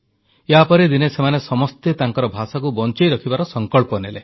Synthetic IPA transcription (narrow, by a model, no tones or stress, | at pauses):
eɦapɔɾid̪inesemanesɔmɔst̪et̪aŋkɔɾɔbʱasakubɔnt͡ʃɔjɾɔkʰibaɾɔsɔŋkɔɭpɔnele